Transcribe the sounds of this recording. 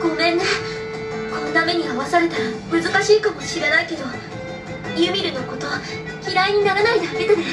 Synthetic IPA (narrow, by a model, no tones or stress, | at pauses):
ɡ̥o̞mẽ̞nːo | ano̞t̪ame̞ɲ̟iaβasaɾe̞t̪aɾamɯ̟zɨkaɕiːkamo̞ɕiɾenaike̞d̪o̞ | jɯ̟mʲiɾɯ̟no̞ko̞t̪o̞βa | kʲiɾaiɲ̟inaɾanaid̪aakit̪ad̪es